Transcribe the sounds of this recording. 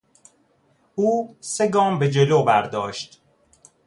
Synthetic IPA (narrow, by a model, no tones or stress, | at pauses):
ʔuːse̞ɡɒːmbe̞d͡ʒeloːbæɾd̪ɒːʃt̪